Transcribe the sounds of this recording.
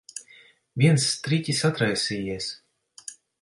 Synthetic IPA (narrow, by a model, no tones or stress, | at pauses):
vʲiɛnst̪ɾʲit̪ʲisat̪ɾajsʲijɛs